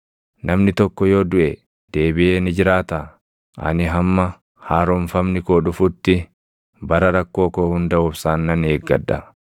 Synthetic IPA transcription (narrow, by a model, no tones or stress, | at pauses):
nɐmnɪt̪ɔkːɔjo̞ːd̪ʊʔe | d̪̥e̞ːbɪʔe̞ːnɪd͡ʒɪɾaːt̪ɐ | ʔɐ̰nɪɦɐmːɐ | haːɾɔɱfɐmnɪkoːᶑʊfʊt̪ːɪ | bɐɾɐɾɐkːo̞ːko̞ːhʊnd̪ɐʊfsaːnːɐneːɡːɐ̰ᶑɐ